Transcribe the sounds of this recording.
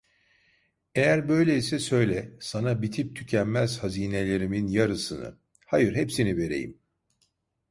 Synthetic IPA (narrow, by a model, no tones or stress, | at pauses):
ejæɾbø̞jlʲeisɛsø̞jlʲɛsanabit̪ʰip̚t̪ʰycʰænmæz̥haziːne̞lʲe̞ɾiminjaɾɯsɯnɯ̰ | hajɯɾɦepsinive̞ɾe̞̰jḭm